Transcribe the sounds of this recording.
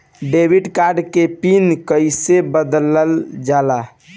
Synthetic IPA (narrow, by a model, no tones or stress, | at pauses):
ɖebʱiɖkaɾɖkepinkəjsebəd̪ləld͡ʒala